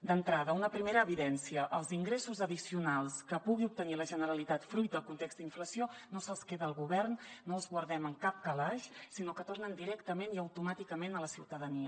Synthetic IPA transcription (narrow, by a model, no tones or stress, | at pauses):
d̪ənt̪ɾaðəunəpɾimeɾəːβiðɛnsiəʔəlˠziŋɡɾesuzəðisiunalˠskəpuɣiup̚t̪əniləʒənəɾəlit̪at̪fɾujt̪̚d̪əlˠkunt̪ekzt̪d̪iɱfləsionosəlˠskeðəːlˠɣuβɛrnːoəlˠzɣwəɾðɛməŋkap̚kəlaʃsinokət̪ornənd̪iɾɛkt̪əmeniəwt̪umat̪ikəmenələsiwt̪əðəniə